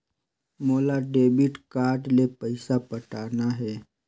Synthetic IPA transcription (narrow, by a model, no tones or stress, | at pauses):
moːlaɖeːbɪʈkaːɾʈlepəɪsapəʈaːnaɦɛː